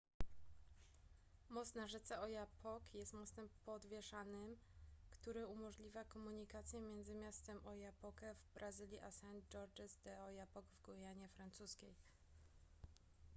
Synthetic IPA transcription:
mɔt̪st̪naʐɛt̪sɛɔjapʰɔkjɛst̪mɔt̪st̪ɛmpɔd̪vʲjɛʂanɘm | kt̪uɾɘumɔʐlʲivʲakɔmuɲikat̪sʲjɛmʲjɛnd̪zɘmʲjast̪ɛmʔɔjapɔkɛvbɾʔazɘlʲjiʔasɛnd̪d͡ʐɔɾd͡ʒɛzd̪ɛɔjapɔɡvɡɔjaɲɛfɾant̪suskʲej

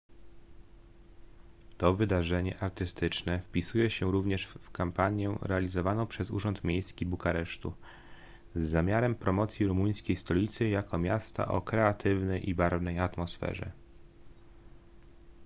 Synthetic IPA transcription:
t̪ɔvɘd̪aʐɛɲɛ̰ʔaɾt̪ɘst̪ɘt͡ʂnɛfpʲisujɛɕɛɾuvɲɛʂfkampaɲjɛɾɛalʲizɔvanɔ̃w̃pʂɛzṵʐɔnt̪mʲjejskʲibukaɾɛʂt̪ṵ | zːamʲjaɾɛmpɾɔmɔt̪sʲjiɾumuj̃skʲejst̪ɔlʲit̪sɘjakɔmʲjast̪a̰ʔɔ̰kɾɛat̪ʰɘvnɛjʔibaɾvnɛjat̪mɔsfɛ̰ʐɛ̰

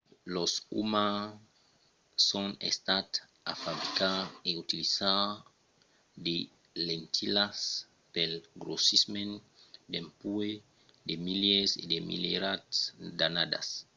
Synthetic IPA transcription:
losṵma | sõnḛst̪at̪ | afabɾikaeut̪iliza | d̪e | lent̪ʰilas | pelɡɾosismẽn | d̪ẽmpue | d̪emiljesḛd̪emḭleɾatsd̪anad̪a̰s

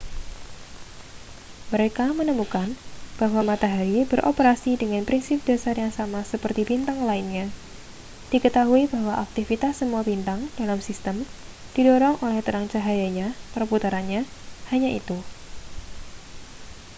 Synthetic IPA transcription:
məɾekamənəmukanb̥aɦwamat̪aɦaɾibəɾʔopəɾasidəŋanpɾinsɪp̚d̥asarjaŋsamasəpərt̪ibint̪aŋlainɲa | d̥ikət̪aɦuibaɦwaʔak̚t̪ifit̪asːəmuabint̪aŋd̥alamsist̪əm | d̥idɔɾɔŋʔolɛht̪əɾaŋt͡ʃaɦajaɲapɾəput̪aɾanɲahaɲaʔḭt̪u

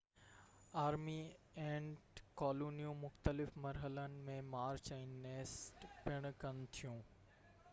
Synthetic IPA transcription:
aːɾmi | ẽːʈkɔːloːnijũmʊxt̪əlɪfmɐɾɦələnɪ̆mẽmaːɾt͡ɕɛ̃ːneːsʈpɪɽ̃kɐnɪ̆t̪ʰijũː

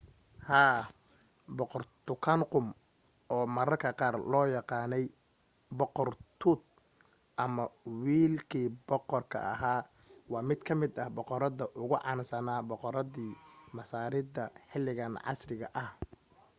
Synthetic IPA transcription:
haː | bɔqɔrt̪ʊkʰanqʊm | ʔɔːmɐɾɐrkʰɐqɑːrlɔːjɑqɑːnɛj | bɔqɔrt̪ʰʊd̪̚ | ʔɐmɐwiːlkʰiːbɔqɔrkʰɐ̰ʔɐɦaː | wɑːmɪd̪kʰɐmɪd̪ɐhbɔqɔɾɐðɐʔʊɣʊʕɑ̰ːnsɐnaːbɔqɔɾɐðiːmɐsaːɾɪðɐħɪlɪɣɐnʕɑ̰srɪɣɐ̰ʔɐh

